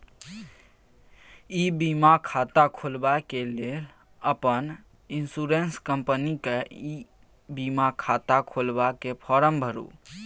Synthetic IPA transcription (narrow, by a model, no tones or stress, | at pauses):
ibimakʰat̪akʰolbakelel | əpən | insuɾenskəmpənikei | bimakʰat̪akʰolbakepʰɔɾəmbʱəɾṵ